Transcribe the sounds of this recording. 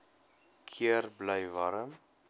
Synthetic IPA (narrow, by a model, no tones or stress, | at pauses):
kʰiərbləjvɐɾəm